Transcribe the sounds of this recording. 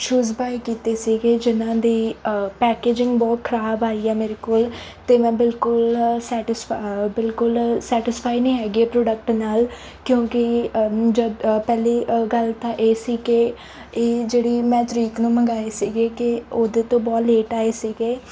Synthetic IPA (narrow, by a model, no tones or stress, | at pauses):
ʃuːzbaːikiːt̪eːsiːɡeːd͡ʒɪnãːd̪iːpɛːkeːd͡ʒɪ̃ŋɡbɔːt̪̚kʰəɾaːbaːiːɛːmeːɾeːkoːlt̪eːmɛ̃ːbɪlkʊlsɛːʈɪsbɪlkʊlsɛːʈɪspʰaːinĩːɦɛːɡieːpɾoːɖək̚ʈnaːl | kjõːkɪd͡ʒəpɛːliːɡəlt̪ãːʔeːsiːke | eːd͡ʒeːɽiːmɛ̃ːt̪ɾiːknũːməŋɡaːeːsiːɡeːkɪoːd̪eːt̪õːbɔːt̪leːʈaːeːsiːɡeː